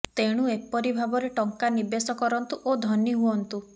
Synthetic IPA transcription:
t̪eɽ̃uepɔɾibʱabɔɾeʈɔŋkanibesɔkɔɾɔnt̪uʔod̪ʱɔniɦuɔnt̪u

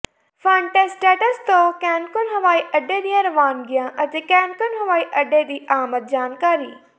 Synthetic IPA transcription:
fãːɳʈesʈeːʈəst̪oːkɛ̃ːnkʊnɦɐʋaːiʔɐɖed̪iãɾɐʋaːnɡɪjãʔɐt̪ekɛ̃ːnkʊnɦɐʋaːiʔɐɖed̪iːʔaːmət̪̚d͡ʑaːnkaːɾiː

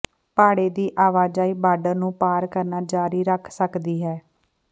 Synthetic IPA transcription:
paːɽeːd̪iːʔaːʋaːd͡ʒaːiːbaːɖəɾnũːpaːɾkəɾnaːd͡ʒaːɾiːɾəkʰsəkd̪iːɦɛː

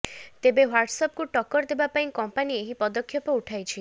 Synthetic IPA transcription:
t̪ebewaɾɖsɔp̚kuʈɔkɔɾd̪ebapaĩkɔmpanieɦipɔd̪ɔkʰːjɔpɔuʈʰajt͡ʃʰi

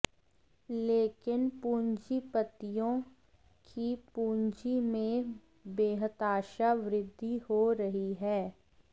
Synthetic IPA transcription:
leːkɪnpuːɲd͡ʒipət̪ijõ | kʰipuːɲd͡ʒimẽ | beːɦət̪aːʃaʋɾɪd̪ʱːihoɾɐɦiɦɛː

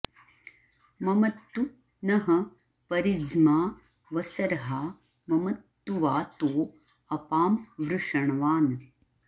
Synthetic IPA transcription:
mɐmɐt̪ːu | nɐɦɐ̆ | pɐɾid͡ʒmaː | ʋɐsɐɾɐɦaː | mɐmɐt̪ːuʋaːt̪oː | ɐpaːmʋɾuʂɐɳɐʋaːn

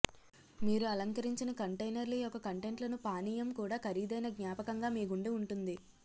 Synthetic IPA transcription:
miːɾuɐlɐŋkɐɾiɲt͡ʃinɐkɐɳʈɐjnɐɾlijɔkɐkɐɳʈe̞ɳʈlɐnupaːniːjɐmkuːɽaːkɐɾiːd̪ɐjnɐɡɲaːpɐkɐŋɡaːmiːɡuɳɖiuɳʈund̪i

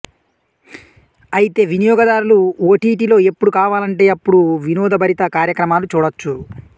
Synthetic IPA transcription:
ɐjit̪e̞ːʋinijɔːɡɐd̪aːɾuluoːʈiːʈilo̞ːe̞pːuɽukaːʋaːlɐɳʈe̞ːɐpːuɽuʋinɔːd̪ɐbɐɾit̪ɐkaːɾjɐkɾɐmaːlut͡ʃuːɽɐt͡ʃːu

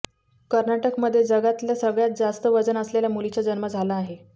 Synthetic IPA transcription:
kəɾnaʈəkməd̪ʱːjed͡zəɡat̪ljasəɡɭjat̪̚d͡zast̪əʋəd͡zənəsleljamulit͡ɕad͡zənməd͡zʱalaːɦe

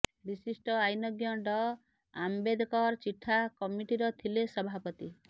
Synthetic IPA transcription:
bisisʈɔajnɔɡjɔɖɔ | ambed̪ʱɔkɔɾɔt͡ʃiʈʰːakɔmiʈiɾɔt̪ʰilesɔbʱapɔt̪i

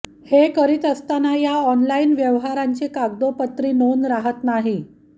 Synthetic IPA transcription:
hekəɾiːt̪əst̪anajaɔnlainʋjəʋɦaɾaɲt͡ɕekaɡ̚d̪opət̪ɾiːnonɾaɦət̪naɦi

